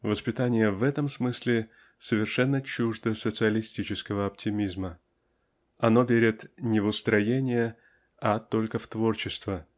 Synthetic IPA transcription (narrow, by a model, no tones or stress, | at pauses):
vəspʲɪt̪anʲɪjəvɛt̪əmsmɨsʲlʲɪ | səvʲɪrʂɛnːət͡ɕuʐd̪əsət̪sɨəlʲɪsʲtʲit͡ɕɪskəvəɐp̚tʲɪmʲizmə | ɐno̞vʲeɾʲɪt̪nʲɪvʊst̪ɾɐjenʲɪjə | at̪o̞lʲkəft̪vo̞rt͡ɕɪst̪və